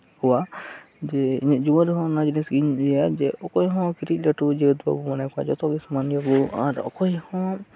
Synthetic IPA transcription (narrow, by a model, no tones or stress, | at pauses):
huwa | d͡ʒɛḭɲad͡ʒuɔ̃ɾɛɦɔ̃nad͡ʒinɛsɡiɲɛjad͡ʒɛʔɔkɔjɦɔ̃kiɾit̚ˀlaʈud͡ʒɛd̪ua̰bumanajkua̰d͡ʒɔt̪ɔ̃ɡismaniabua̰ɾɔ̰kɔjhɔ̃